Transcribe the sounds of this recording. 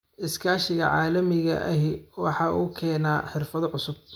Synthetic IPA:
ʔɪskʰaːʃɪɣɐʕɑːlɐmɪɣɐ̰ʔɐɦɪwɑħɑːʔuːkʰɛːnaːħɪrfɐðʕʊsʊb̚

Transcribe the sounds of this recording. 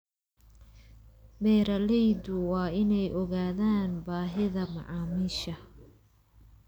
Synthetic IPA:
bɛːɾɐlɛjd̪ʊwɑːɪnɛjʔɔɣaːðaːnbaːɦɪðɐmɑ̰ʕɑːmiʃɐ

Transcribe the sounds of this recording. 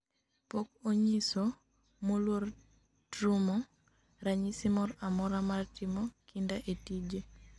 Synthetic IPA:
pokoɲisɔ | molwor | tɾumɔ | ɾaɲisimɔɾamɔɾamartimɔkʰindaʔetid͡ʒe

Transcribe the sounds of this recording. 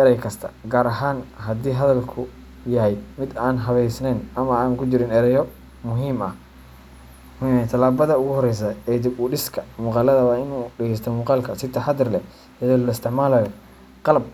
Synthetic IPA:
ɛɾɛjkʰɐst̪ʰɐ̥̰ɡaːɾɐɦaːnɦɐd̪iːɦɐðɐlkʰʊ | jɐɦɛjmɪd̪aːnɦɐβɛjsnɛːnɐmɐaːŋkʰʊt͡ʃɪɾɪnɛɾɛjɔ | mʊɦiːmɐ̰h | mʊhiːmɛt̪ʰɐlaːbɐðɐʊɣʊhɔɾɛjs̬ɐɛd̪ɪʊɖɪskʰɐmuːqɑːlɐðɐwaɪnuːɖɪɣɛjst̪ʰɔmuːqɑːlkʰɐsɪt̪ʰɛħɑd̪ɪrlɛ | jɐðiːlɐɪst̪ʰɪʕmaːlaːjɔ | qɑlɐb̚

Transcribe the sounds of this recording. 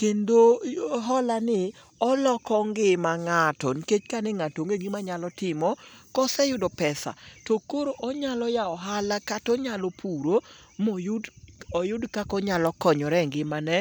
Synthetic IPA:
kendoɦɔlanɪ | ɔlɔkɔŋɡɪmaŋatɔ̰nket͡ʃkanɛŋatoŋɡeɡimaɲalɔtɪmɔkɔsɛjʊdɔpɛsa̰tokoɾoʔɔɲalɔjaɔɦalakatɔɲalɔpʰuɾomojdɔjʊdkakɔɲalɔkɔɲɔɾɛŋɡɪmanɛ

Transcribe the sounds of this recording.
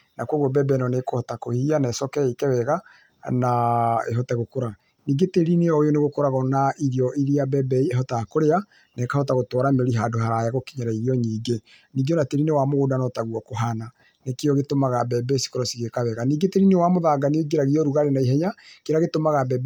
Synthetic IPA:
nakwoɣɔbɛbɛinɔnekohɔtakohianɛsɔkɛikɛwɛɣa | naḛɦɔtɛɣokoɾa | niːɡeteɾineɔjoneɣokoɾaɣɔnaʔiɾiɔʔiɾiabɛbɛieɦɔtakoɾea | nɛkahɔtaɣotɔɾameɾiɦaːdoɦaɾajaɣokiɲaɾaiɾiɔɲiːɡe | niːɡɔnateɾinewamoɣoːdanɔtaɣwɔkoɦana | nekeɔɣetomaɣabɛbɛsi̥koɾɔsiɣekaβɛɣaniːɡeteɾinewamoðaːɡanioɡeɾaɣiɔɾuɣaɾenaiɦɛɲakeɾaɣetomaɣabɛb

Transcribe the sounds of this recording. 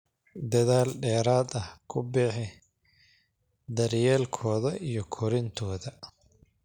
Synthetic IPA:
d̪ɐðaːlɖɛːɾaːd̪ɐhkʰʊbɛħɪ | d̪ɐɾjɛːlkʰɔːðɐʔijɔkʰɔɾɪnt̪ʰɔːðɐ

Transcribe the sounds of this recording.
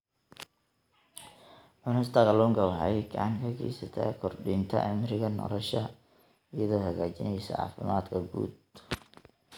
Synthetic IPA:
ʕʊnɪst̪ʰɐɣɐlʊŋɡɐwɑħɑjɡʰɐʕɑŋkʰɐɡɛ̰jsɐt̪ʰɐ̰kʰɔrɖɪnt̪ʰɐ̰ʔɪmɾɪɣɐnɔ̰lɔʃɐ | ɪjɐðɔːhɐɣaːt͡ʃɪnɛjsɔ̰ʕɑ̰ːfɪmaːd̪kʰɐɡṵːd̪̚

